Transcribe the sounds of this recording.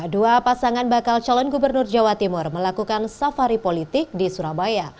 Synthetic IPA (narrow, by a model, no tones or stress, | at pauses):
duapasaŋanbakalt͡ʃalɔnɡubərnʊrd͡ʒawat̪imʊrməlakukansafaɾipolit̪ɪk̚disuɾabaja